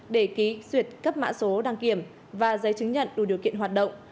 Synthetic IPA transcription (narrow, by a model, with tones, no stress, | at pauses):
ɗe˧˩ki˨˦zwi˨˩ət̚kə˦˥p̚ma̰ː˧˥so˨˦ɗaː˧˩ŋki˧˩əm | vaː˨˩zə˨˦jt͡ɕɨ˨˦ŋɲə̰˧˨nɗu˧˩ɗi˨˩əwkḭ˧˨ənɦwaː˨˩t̚ɗə̰˧˨wŋ͡m